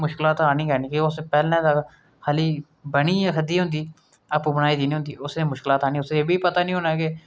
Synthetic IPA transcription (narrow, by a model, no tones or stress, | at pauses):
mʊʃkɪlaːt̪aːnĩːkɛːniːkeʊspɛːlɛ̃ːd̪a | haːliː | bəɽiːãːkʰəd̪iːɦʊ̃nd̪iː | əpːbəñaːiːd̪iːnĩɦʊ̃nd̪ḭːʊsneːmʊʃkɪlaːt̪aːnĩːʊseːbiːpət̪aːnĩːɦõːnaːke